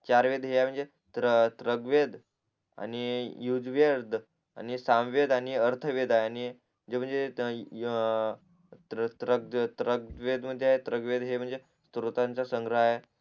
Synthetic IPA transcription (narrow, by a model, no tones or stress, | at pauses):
t͡ɕaɾʋed̪ɦeaɦem̤əɳd͡ze | t̪ət̪ɾəɡʋed̪ | a̰nijud͡zʋəɾd̪ | a̰nisamʋed̪aɽiəɾt̪ʰəʋed̪aɦeani | d͡zem̤əɳd͡ze | t̪ɾəɡ̚t̪ɾəɡʋed̪m̤əd̪ʱːjeaɦet̪ɾəɡʋed̪ɦem̤əɳd͡ze | st̪ɾut̪ant͡sasəŋɡɾaɦe